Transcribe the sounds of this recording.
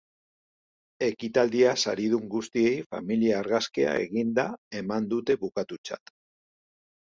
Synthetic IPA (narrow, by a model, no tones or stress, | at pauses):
e̞kit̪ald̪iasaɾiðuŋɡust̪ie̞jfa̰miliaːɾɣaskea̰e̞̰ɣind̪ae̞mand̪ut̪e̞βukat̪ut͡sa̰t̪